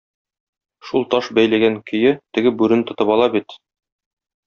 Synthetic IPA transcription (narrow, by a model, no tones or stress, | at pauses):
ʃulˠt̪ɒʃbæjlæɡæŋkʰɵ̆jɘt̪ɘ̆ɡɘbʉɾɘnt̪ŏt̪ɤpɒlˠɑbit̪